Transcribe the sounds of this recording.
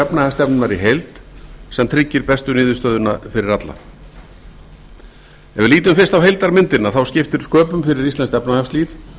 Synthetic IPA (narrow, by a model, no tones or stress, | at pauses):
ɛpnahɛst̪ɛpnʏmaɾiɦejlt̪sɛmt̪ʰɾɪcːɪɾpɛst̪ʏnɪːðʏst̪œðʏnafɪɾɪɾat̪la̰ | ɛvɪliːt̪ʏmfɪ̥st̪awɦejlt̪aɾmɪnt̪ɪnaθawscɪft̪ɪɾ̥skœːpʏmfɪɾɪɾist̪lɛnst̪ɛpnahɛfst̪liːθ